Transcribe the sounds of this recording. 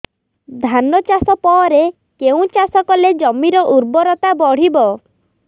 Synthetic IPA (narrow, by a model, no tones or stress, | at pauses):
d̪ʱanɔt͡ʃasɔpɔɾe | keũt͡ʃasɔkɔled͡ʒɔmiɾɔʔuɾbɔɾɔt̪abɔɽ̤ibɔ